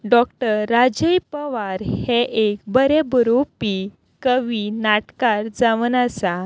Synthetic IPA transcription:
ɖɔk̚ʈəɾːad͡ʑəjpəʋaɾheʔekbəɾebəɾopi | kəʋinaʈkaɾd͡zaʋənasa

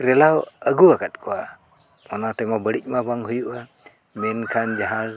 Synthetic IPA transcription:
ɾɛlawəɡuakat̪̚kʰua | mɔnat̪ɛmabəɽik̚mabaŋɦujuʔa | mɛnkʰand͡ʒaɦal

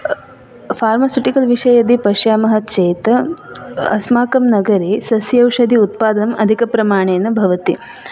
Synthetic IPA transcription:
pʰaːɾmɐsuʈikɐlʋiʂɐjɐd̪ipɐʃjaːmɐɦɐ̆t͡ʃeːt̪ɐ | ɐsmaːkɐmnɐɡɐɾeːsɐsjɐwʂɐd̪ʱiut̪̚paːd̪ɐnɐmɐd̪ʱikɐpɾɐmaːɳ̃eːnɐbʱɐʋɐt̪ḭ

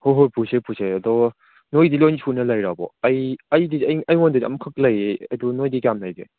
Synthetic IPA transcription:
hoɦojpʰusepʰuseɐdɔ | nojdilɔjntʰunɐlɐjɾabɔ̰ɐjɐjdiɐjɐjwɔndɯdiɐ̰mkʰɐk̚lɐjeɐ̰dunojdikamnajbḛ

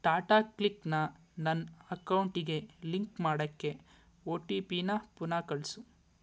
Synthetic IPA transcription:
ʈaːʈaːkliknɐ | nɐnɐkɐwuɳʈiɡe̞liŋkmaːɽɐkːe̞ | oːʈiːpiːnɐpunaːkɐɭsu

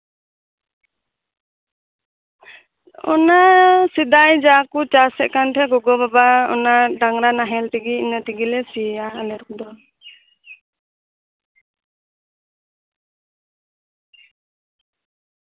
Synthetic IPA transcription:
ɔ̰nasid̪ajd͡ʒakut͡ʃasɛʔkanʈʰɛɡɔɡɔbabaɔ̰naɖaŋɾanaɦɛlʈ̪iɡiinaʈiɡilɛsiaːlɛɾkd̪ɔ

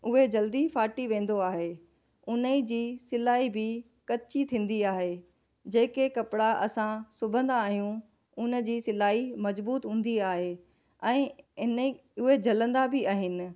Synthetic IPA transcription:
ʊɦed͡ʑɐld̪ifaːʈiʋẽːn̆d̪oaːɦe | ʊnəid͡ʑiːsɪlaːibɪ | kɐtt͡ɕit̪ʰĩːn̆d̪iaːɦe | d͡ʑeːkekɐpɪɽaʔɐsãsʊbʱə̃nd̪aaːɦijũ | ʊnə̆d͡ʑiːsɪlaːimɐzbuːt̪ɦũːn̆d̪iaːɦe | ɛ̃ːɪni | ʊɦed͡ʑʱɐlə̃nd̪abʱɪaːɦɪnɪ̆

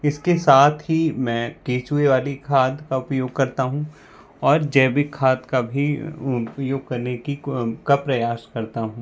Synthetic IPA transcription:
ɪskesaːt̪ʰɦimɛ̃ːkeːt͡ʃueʋaːlikʰaːd̪ʱkaʊpjoːɡ̚kɐɾt̪aɦũ | ɔːɾd͡ʒɛːbɪkʰːaːd̪kabʱipjoːɡ̚kɐɾnekikapɾɐjaːʃkɐɾt̪aɦũː

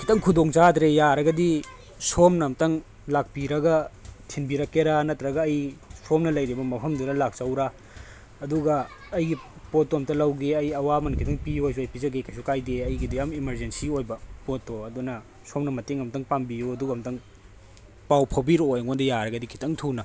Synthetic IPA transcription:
kʰitɐŋkʰudoŋt͡ʃatɾejaɾɐɡɐdi | somnɐmtɐŋ | lak̚piɾɐɡɐtʰinbiɾɐkeɾanɐtːɾɐɡɐːjsʰomnɐlɐjɾibɐmɐpʰɐmduɾɐlak̚t͡ʃɐwɾaː | duɡɐː | jɡipotːomtɐlɐwɡeɐjɐwamɐnkʰitɐŋpijojs̬uɐjpizɐɡekajsukajdeɐjɡidiɐmimɐɾzensiojbɐpotːoɐdunɐ | somnɐmɐteŋɐmtɐŋpambijoɐduɡɐmtɐŋ | pawpʰɐwbiɾojŋondɐjaɾɐɡɐdikʰi̥tʰɐŋtʰunɐ

